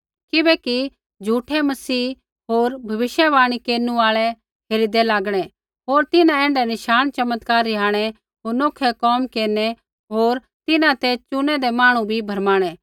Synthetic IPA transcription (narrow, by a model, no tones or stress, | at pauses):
kɪbɛːki | d͡ʒʱuːʈʰɛmɐsiː | ɦoːɾbʱɐʋɪʃjəʋaːɽ̃ikeːnuaːɭɛ | ɦeːɾid̪ɛlaːɡɽ̃ɛ | ɦoːɾt̪ɪnãɛ̃ːɳɖɛnɪʃaːnt͡ʃɐmət̪kaːɾɪɦaːɽ̃ɛ | ɦoːɾnoːkʰɛkɔːmkeːnɛ | ɦoːɾ | t̪ɪnãt̪ɛt͡ʃʊnɛd̪ɛmaːɽ̃ũbʱibʱɐɾmaːɽ̃ɛː